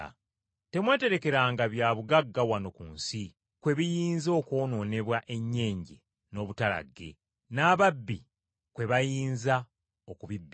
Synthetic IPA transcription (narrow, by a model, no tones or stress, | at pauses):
te̞mwe̞ːte̞ɾe̞ke̞ɾaːŋɡaβjaːβuɡaɡːawano̞kunsi | kwe̞βijiːnzo̞ːko̞ːno̞ːne̞βwaʔe̞ɲːe̞ːɲɟḛ | no̞ːβutala̰ɡːe̞̰ | naːβabːi | kwe̞βajiːnza | okuβibːi